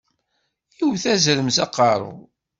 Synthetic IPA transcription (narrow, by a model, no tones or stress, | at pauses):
iwθæzɾəmzɑqːɑɾˤʊ̰